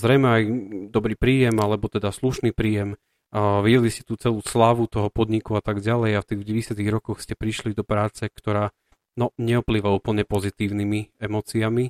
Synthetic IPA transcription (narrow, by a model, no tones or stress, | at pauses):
zɾɛjmɛajd̪ɔbɾiːpɾiːjɛmalɛbɔt̪ɛd̪asluʃniːpɾiːjɛm | ʋiɟɛliscɛ̥t̪uːt͡sɛluːslaʋut̪ɔɦɔpɔd̪ɲikuat̪aɡɟalɛjaft̪iːɣɟɛjɛsɪat̪iɣɾɔkɔxscɛpɾiʃlid̪ɔpɾaːt͡sɛkt̪ɔɾaː | nɔɲɛɔpliːʋauːpl̩ɲɛpɔzit̪iːʊnimiɛmɔːt͡siami